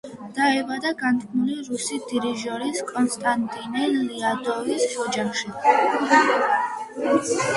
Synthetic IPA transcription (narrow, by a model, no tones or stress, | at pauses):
d̪̥aɛvad̪aɡant̪ʼkʰʼmuliɾusid̪̥iɾiʒɔɾiskʼɔnst̪ʼant̪ʼinɛliad̪ɔvisʒɔd͡ʒamʃi